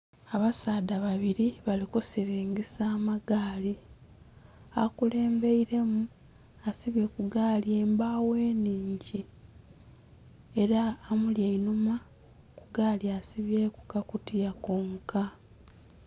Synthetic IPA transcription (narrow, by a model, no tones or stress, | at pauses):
aβasaːdaβaβiɾiβalikusiɾiːŋɟisaːmaɡaːli | akule̞ːmbe̞iɾe̞mu | asiβje̞kuɡaːlje̞ːmbaːwe̞ːniːɲɟi | eɾaːmuljeinuma | kuɡaːljasiβjekukakutijakoŋka